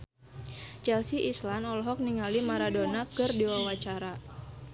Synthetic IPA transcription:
t͡ʃɛlsiʔislanɔlɔɦɔk̚niŋalimaɾadonakɨrdiwawat͡ʃaɾa

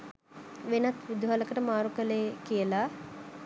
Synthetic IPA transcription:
ʋenat̪ʋid̪uɦaləkəʈəmaːɾukəlejkijəla

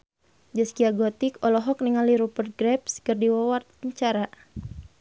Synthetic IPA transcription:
d͡ʒəskiaɡɔt̪ikɔlɔɦɔk̚niŋaliɾupərt̪̚ɡɾɛpskɨrdiwawat̪̚əɲt͡ʃaɾa

